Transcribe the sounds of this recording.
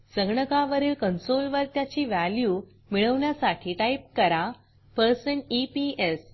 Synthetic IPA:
səɡɳəkaʋəɾiːɭkənsolʋəɾt̪jat͡ɕiːʋæljuː | miɭəʋɳjasaʈʰiːʈaip̚kəɾa | pəɾsənipies

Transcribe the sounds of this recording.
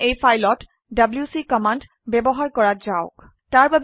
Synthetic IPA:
ejpʰajlɔt | dabljusikɔmand | bɛbɔɦaɹkɔɹatzaʊk | taɹbab

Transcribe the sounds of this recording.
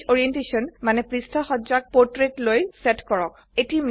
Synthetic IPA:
ɔɹiɛntesɔnmanɛpɹistʰaxɔzak̚pɔɹtɹetlojsɛtkɔɹɔk̚ | etim

